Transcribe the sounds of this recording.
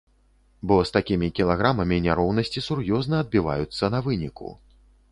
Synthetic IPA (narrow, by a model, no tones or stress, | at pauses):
bɔst̪akʲimʲikʲilˠaɣɾamɐmʲinʲaɾɔwnɐsʲt͡sʲisurjɔznɐːd̪̚bʲiva̰jut̪sːɐnɐvɨnʲikṵ